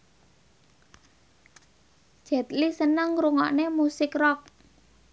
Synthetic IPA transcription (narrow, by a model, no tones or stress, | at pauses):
d̥ʒ̥ɛ̤t̪lisənəŋɾuŋɔʔnemusɪkrɔk̚